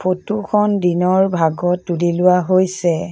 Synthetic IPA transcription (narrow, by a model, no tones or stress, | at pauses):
pʰotukʰɔndinɔɹbʱaɡɔtːulilʊwaɦojsɛ